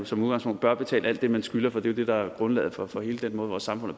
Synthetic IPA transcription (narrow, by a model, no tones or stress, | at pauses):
sɒ̽muðˠɡɑ̈ŋspʰɔ̽n̰d̥b̥ɶɐb̥e̝t͡sʰɛ̰ːlæl̰d̥ːe̝mænsɡ̥ylɐfɒ̽d̥e̝jo̝d̥e̝d̥ɑ̈æɐɡ̥ʁɔ̽nlɛ̰ːð̩ˠfɒ̽fɒ̽he̝ːləd̥enmɔ̽ːð̞ˠʋɒ̰ːsːɑ̈mfɔ̽n̰̩ˠ